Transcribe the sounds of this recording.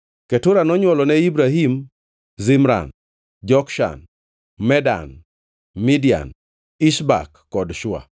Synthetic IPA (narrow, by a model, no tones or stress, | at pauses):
kɛtʊɾanɔɲwɔlɔnɛibɾaɦim | zimɾa̰n | d͡ʒɔkʃa̰n | mɛda̰n | midia̰n | iʃba̰kːɔdʃʊa̰